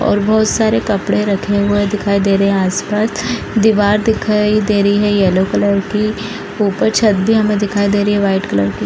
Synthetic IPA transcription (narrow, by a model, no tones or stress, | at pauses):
ɔ̰ːɾbɔɦʊt̪saːɾekɐpɽeɾɐkʰeɦued̪ɪkʰaːid̪eːɾɐɦɛ̃aːspaːs | d̪iʋaːɾd̪ɪkʰaːid̪eːɾɐiɦɛjɛːlokɐləɾki | uːpəɾt͡ʃʰɐt̪̚bʱiɦɐmẽd̪ɪkʰaːid̪eːɾəɦiɦɛʋaːɪʈkɐləɾki